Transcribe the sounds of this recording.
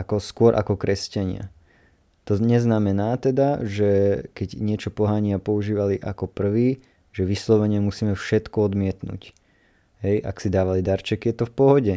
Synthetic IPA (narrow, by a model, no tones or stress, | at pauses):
akɔskʊɔɾʔa̰kɔkɾɛscaɲɪa̰ | t̪ɔɲɛznamɛnaːt̪ɛd̪aʒɛkɛɟɲɪɛt͡ʃɔpɔɦaɲɪapɔuʒiːʋaliʔakɔpr̩ʋiː | ʒɛʋislɔʋɛɲɪɛmusiːmɛfʃɛt̪kɔɔd̪mɪɛt̪nṵc | ɦɛja̰ksid̪aːʋalid̪aɾt͡ʃɛkijɛt̪ɔfpɔɦɔɟɛ